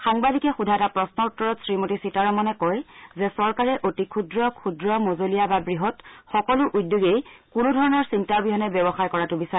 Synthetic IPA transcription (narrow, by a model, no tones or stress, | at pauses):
xaŋbadikɛxudʱaɛtapɹɔsnɔutːɔɹɔtsɹimotisitaɹɔmɔnɛkɔjzɛsɔɹkaɹɛʔotikʰudɹɔkʰudɹɔmozolijababɹiɦɔtxɔkɔlʊʔudːoɡejkʊnudʱɔɹɔnɔɹsintaɹbiɦɔnɛbɛbɔxajkɔɹatʊbisaɛ